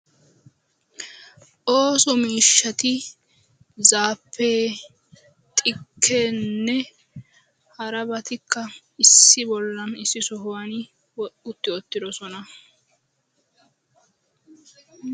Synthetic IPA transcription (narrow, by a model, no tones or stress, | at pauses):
ʔoːsɔmiːʃːɐt̪ɪ | zaːpʰːeː | t̪ʼɪkʰːeːnːɛ | hɐɾɐbɐt̪ɪkʰːɐ | ɪsːɪbɔlːɐnɪsːɪsɔɦʊwanɪ | wɔʊt̪ːɪɔt̪ːɪd̪ɔsɔnɐ